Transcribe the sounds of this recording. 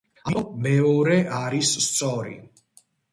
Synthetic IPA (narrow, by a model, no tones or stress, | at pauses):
amɔmɛɔɾɛʔaɾisːt̪sʼɔɾḭ